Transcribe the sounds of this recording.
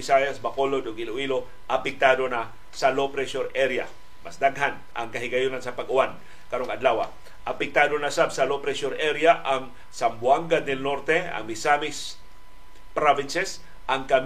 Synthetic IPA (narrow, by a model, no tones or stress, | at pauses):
ɪsajasbakolod̪oɡɪloʔilo | ʔɐpɪk̚t̪aːd̪ona | salopɾɛsoɾʔɛɾja̰ | mɐsd̪aŋɦan | ʔɐ̰ŋkɐɦɪɡɐjunansɐpɐɡʊwan | kɐɾoŋɐd̪laːwa̰ | ʔɐpɪk̚t̪aːd̪onasabsalopɾɛsoɾʔɛɾjaʔaŋ | sambwaŋɡad̪nɛlnoɾt̪ɛɐ̰ŋmɪsamis | pɾavɪnsɛs | ʔaŋkɐm